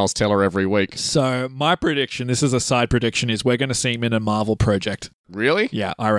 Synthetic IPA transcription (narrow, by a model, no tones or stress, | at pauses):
lˠz̥tʰɛlˠə˞ɛvɹiwiksoʊmaɪpʰɹ̥ɨɾɪkʃɨ̃nðɪsɨzəsaɪd̚pʰɹ̥ɨdɪkʃɨ̃nɨzwiɹɡʌnɨsĩmɨ̃nɨmɑɹvl̩ˠpʰɹ̥ɑd͡ʒɛk̚t̚ | ɹɪlˠijæ̰ʔa̰ɪɹ